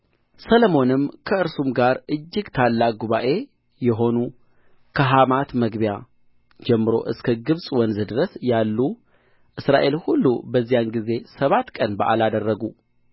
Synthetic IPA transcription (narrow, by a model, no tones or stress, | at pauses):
sələmo̞nɨmkʰəɨɾsumɡaɾʔɨd͡ʒːɪɡt̪ʰalːaɡuβaʔe̞ | jɛɦo̞nu | kʰəɦamat̪məɡbja | d͡ʒɛmːɨɾo̞̰ʔɨskʰəɡɨβsʼwɔnzɨd̪ɨɾəsjalːu | ʔɨsɾa̰ʔe̞lhulːṵbəzːijanɡize̞səβat̪ːkʼənbəʔa̰lad̪ərːəɡu